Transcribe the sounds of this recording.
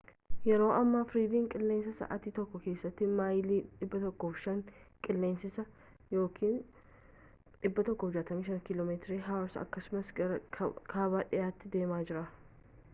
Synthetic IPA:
jɛɾo̞ːʔɐmːafɾiːd̪iːŋkʼɪlːeːnsɐsɐ̰ʔat̪iːt̪ɔkːɔke̞ːsːɐt̪ːɪmaːjliːᶑɪbːɐt̪ɔkːoːfʃɐŋkʼɪlːeːnsɪsɐ | jo̞ːkʰiːn | ᶑɪbːɐt̪ɔkːɔfd͡ʒaːt̪ɐmiːʃɐnkɪloːmeːt̪ɾiɦawɾsɐ̰kːɐsʊmɐsɐɾɐkʰaːbaːᶑɪjaːt̪ːɪd̪e̞ːmaːd͡ʒɪɾaː

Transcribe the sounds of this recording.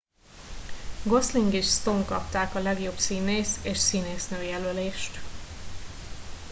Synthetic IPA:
ɡo̞sliŋɡiʃst̪o̞ŋkɒ̰pt̪aːkɒlɛɡjo̞bsiːneːseːʃsiːneːsnøːjɛløleːʃt̪

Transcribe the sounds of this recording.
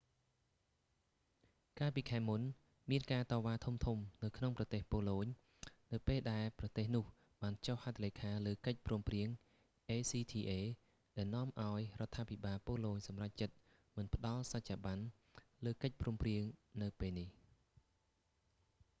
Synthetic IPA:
kaːlpiːkʰaɛmun | miənkaːt̪ɑːʋaːt̪ʰumt̪ʰumnɨwkʰnoŋprɑt̪eːhpoːloːɲ | nɨwpeːlɗaɛlprɑt̪eːhnʊ̆əh | ɓaːnt͡ɕohhat̪ʰːaleːkʰaːləːkəc̚pruːmpriəŋ | ʔeːsiːt̪ʰiːʔeː | ɗaɛlnŏəmʔaɔjrŏət̪ʰːaːpʰiɓaːlpoəloːɲsɑmrac̚t͡ɕət̪̚ | mɨnpə̆ɗɑlsac̚t͡ɕaːɓan | ləːkəc̚pruəmpriəŋnɨwpeːlnih

